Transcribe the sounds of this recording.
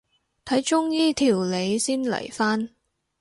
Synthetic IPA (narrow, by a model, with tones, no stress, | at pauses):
t̪ʰɐ˨˥jt͡ʃʊ˥ŋjiː˥t̪ʰiː˨˩wle˨˧jsiː˥nlɐ̰˨˩jfaː˥n